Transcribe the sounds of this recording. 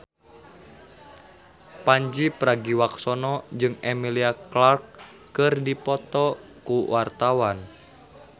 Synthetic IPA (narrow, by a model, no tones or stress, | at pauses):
paɲd͡ʒipɾaɡiwaksɔnɔd͡ʒɨŋɛmiliaklarkː | ɨrdipɔt̪ɔkuwart̪awan